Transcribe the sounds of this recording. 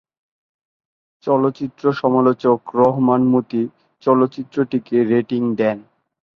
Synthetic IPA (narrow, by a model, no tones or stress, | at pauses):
t͡ɕɔlotːɕit̪ːɾoʃɔmalot͡ɕokɾɔɦmanmut̪i | t͡ɕɔlot̪ːɕit̪ːɾoʈikeɾeʈiŋd̪ɛn